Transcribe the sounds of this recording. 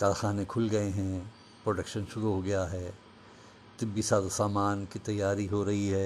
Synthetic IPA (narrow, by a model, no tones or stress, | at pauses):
kaːɾxaːnekʰʊlɡɐeɦɛ̃ | pɾoːɖɐkʃənʃʊɾuɦoɡɐjaɦɛː | t̪ɪbːisaːd̪asaːmaːnkit̪ɐjːaːɾiɦoɾɐɦiɦɛː